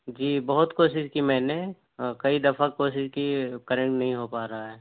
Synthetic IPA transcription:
d͡ʒiːbɐɦʊt̪koːʃɪʃkimɛːne | kɐid̪ɐfʰakoːʃɪʃkikɐɾẽɳʈnɐɦĩɦopaːɾaɦaɦɛː

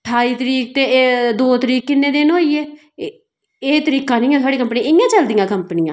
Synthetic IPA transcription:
ʈʰːaːiːt̪əɾiːk̚t̪eːd̪oːt̪əɾiːkːɪnːẽːd̪eːnoːieː | eːt̪əɾiːkãːnɪiːɛːt̪ʰaːɽiːkəmpnĩɪjãːt͡ʃəld̪ɪjãːkəmpnɪjãː

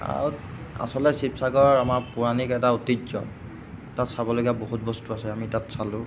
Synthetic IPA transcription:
a̰ɹu | a̰sɔlɛsipsaɡɔɹamaɹpuɹanikɛtautizɔ̰ | tatsabɔloɡiaboɦut̚bɔstuasɛamitatsalʊ̃

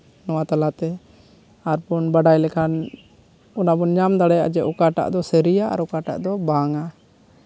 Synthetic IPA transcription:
nɔwat̪alat̪ɛ | aɾpɔnbaɖajlɛkʰan | ɔnabɔɲamd̪aɽaja̰ʔd͡ʒɛʔɔkaʈa̰ʔd̪ɔsɛɾijaʔa̰ɾɔkaʈa̰ʔd̪ɔbaŋa

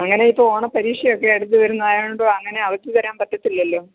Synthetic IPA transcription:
ɐŋːɐne̞ipːooːɳɐpɐɾiːʂjɐjokːe̞eɽut̪̬ːɨʋɐɾunːɐðaːjɳɖoːɐŋːɐne̞ɐʋɐktːit̪ɐɾaːmpɐt̪ːɐt̪ːilːɐlːo̞ː

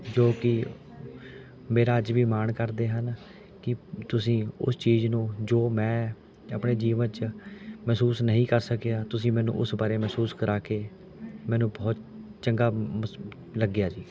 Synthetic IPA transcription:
d͡ʒoːkɪ | meːɾaːəd͡ʒʋiːmaːɳkəɾd̪eːɦən | kɪt̪ʊsĩːʊ̰st͡ʃiːznũːd͡ʒoːmɛ̃ː | əpɳeːd͡ʒiːʋənt͡ʃmɛːsuːsnəɦĩːkəɾsəkejaːt̪ʊsĩːmɛ̃ːnṵ̃ːʔʊsbaːɾeːmɛːsuːskəɾaːkeː | mɛ̃ːnũːbɔːt̪t͡ʃəŋɡaː | ləɡɪjaːd͡ʒiː

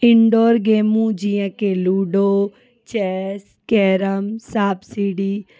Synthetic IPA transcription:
ɪɳɖoːɾɡeːmũd͡ʒijə̃keluːɖoː | t͡ʃɛːs | kɛːɾəmsaːbsiɖiː

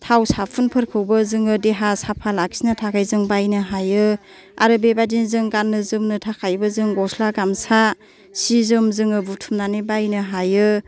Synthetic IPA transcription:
tʰawsapʰunpʰɯɾkʰɯwbɯzɯŋɯdeɦasapʰalaksinɯtʰakʰajzɯŋbajnɯɦajɯ | a̰ɾɯbebadinzɯŋɡanːɯzɯmnɯtʰakʰajbɯzɯŋɡɔslaɡamsa | sizɯmzɯŋɯbutʰumnanibajnɯɦajɯ

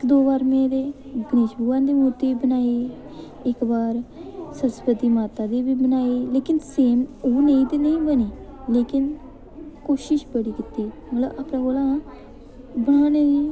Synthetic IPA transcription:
ɪkd̪oːbaːɾmẽːd̪eː | ɡəneːʃbuːãːnd̪eːmuːt̪eːbənaːeː | ɪkbaːɾsənspəd̪iːmaːt̪aːd̪eːbiːbənaːeːleːkɪnseːmoːnẽĩːt̪eːnəĩːbəneː | leːkɪn | koːʃɪʃbəɽiːkɪt̪iːmət̪ləbaːpnãːɡoːlã | bəɽ̃aːneːd̪iː

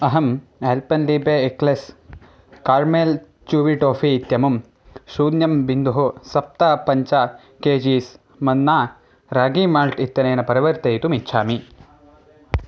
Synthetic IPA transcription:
ɐɦɐmeːlpɐnliːbeekles | kaːɾmeːl | t͡ʃuːʋiʈoːfʰiːt̪jɐmɐm | ʃuːd̪jɐmbind̪uɦusɐp̚t̪apɐɲt͡ʃaː | keːd͡ʒiːs | mɐnːaː | ɾaːɡiːmaːɾʈit̪ːɐneːnɐpɐɾiʋɐɾt̪ɐjt̪umitːʃʰaːmi

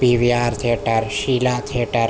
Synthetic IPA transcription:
piʋjaːɾt̪ʰeːʈɐɾʃilaːt̪ʰeʈɐɾ

